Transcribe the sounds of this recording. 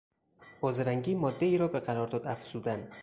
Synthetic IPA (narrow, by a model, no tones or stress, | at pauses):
b̥ɒːzeɾæŋɡiːmɒːd̪ːeiːɾɒːbeqæɾɒːɾd̪ɒːd̪æfz̥uːd̪ænd̪